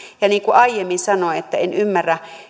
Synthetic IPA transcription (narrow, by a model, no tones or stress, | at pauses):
jɑniːŋkuʔɑijemːinsɑnoet̪ːæenymːærːæ